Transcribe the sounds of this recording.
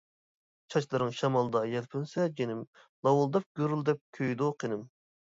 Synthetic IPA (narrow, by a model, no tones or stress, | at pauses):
t͡ʃʰɑt͡ʃlˠɨɾɨŋʃɑmɑlˠɨd̪ɑjɛlpʰynsɛd͡ʒenɪm | lˠɑwulˠd̪ɑp̚ɡ̥ʲøɾyld̪ɛp̚kʲʰøjd̪uqʰenɪm